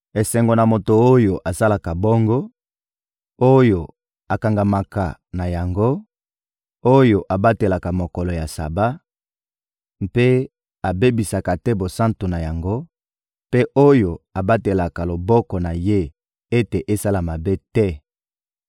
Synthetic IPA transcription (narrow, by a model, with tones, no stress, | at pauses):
e˨sɛ˨ŋɡo˨na˨mo˨to˨o˦jo˨ʔa˨sa˦la˨ka˨bɔ˦ŋɡɔ˦ | o˦jo˨ | a˨ka˨ŋɡa˨ma˨ka̰˨na˨ja˨ŋɡo˦ | o˦jo˨ʔa˨ba˦te˨la˨ka˨mo˨kɔ˨lɔ˨ja˨sa̰˨ba˦ | mpe˦ | a˨be˦bi˨sa˨ka˨tɛ˦bo˨sã˦nto˨na˨ja˨ŋɡo˦ | pe˦ʔo˦jo˨a˨ba˦te˨la˨ka˨lo˨bɔ˦kɔ˨na˨je˦ | e˦te˨ʔe˦sa˦la˨ma˨be˦tɛ˦